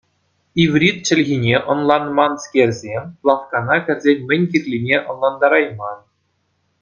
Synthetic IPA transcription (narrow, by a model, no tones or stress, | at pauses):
iʋrʲit̪̚t͡ɕɘ̆lʲɣʲinʲeʔɤ̆nlˠɑnmɑnskʲerʲzʲeplˠɑχkɑnɑkʲɘ̆rʲzʲenʲmʲɘ̆nʲkʲirʲlʲinʲeʔɤ̆nlˠɑnd̪ɑɾɑjmɑn